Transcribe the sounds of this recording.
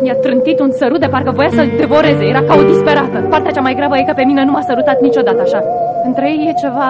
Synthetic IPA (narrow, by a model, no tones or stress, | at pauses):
mjat̪ɾɨnt̪it̪unsəɾut̪̚d̪e̞parkəvo̞jasəd̪e̞vo̞ɾe̞ze̞je̞ɾakaud̪ispe̞ɾat̪əpart̪eat͡ʃamajɡɾabəje̞kəpe̞mine̞numasəɾut̪at̪nit͡ʃo̞d̪at̪əaʃa | ɨnt̪ɾejejːe̞t͡ʃe̞va